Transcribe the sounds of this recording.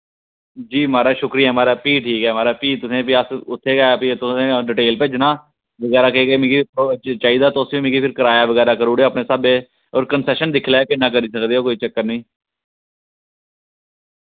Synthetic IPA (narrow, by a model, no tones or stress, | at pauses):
d͡ʒiːmaːɾaːʃʊkɾijɛːmaːɾaːpiːʈʰiːkɛːmaːɾaːpiːt̪ʊsẽːpiəsʊt̪ʰːeːɡaːpit̪ʊsẽːɖɪʈeːlpeːd͡ʒɪnãː | ʋəɡɛːɾaːkeːɡeːmɪ̃ɡipot͡ʃaːiːd̪aːt̪oːsĩːmɪ̃ːɡiːpʰɪɾkəɾaːjaːʋəɡɛːɾaːkəɾuːɽeoːəpneːsabeː | oːɾkənsɛːʃənd̪ɪkʰlaːɛːkenãːk̬əɾiːsəkd̪eːɦoːkoːiːt͡ʃəkːəɾnĩː